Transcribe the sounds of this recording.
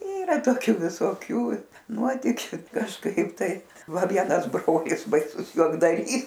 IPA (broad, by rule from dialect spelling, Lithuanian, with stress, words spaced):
ˈiːrɐ toːˈkʲʊ ʋʲɪsoːˈkʲuː ˈnuɔtʲɪkʲʊ kɐʃˈkɐɪp tɐɪ ˈʋɐ ˈʋʲiɛnɐs ˈbroːlʲɪs bɐɪˈsʊs juɔɡdɐˈrʲiːs